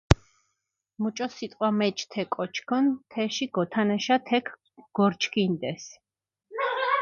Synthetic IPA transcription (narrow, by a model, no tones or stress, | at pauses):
mut͡ʃʼɔsit̪ʼqʼwamɛt͡ʃʼt̪ʰɛkʼɔt͡ʃʰkʰɔnt̪ʰɛʃiɡɔt̪ʰanɛʃat̪ʰɛkʰ | ɡ̥ɔɾt͡ʃʰkʰind̪ɛs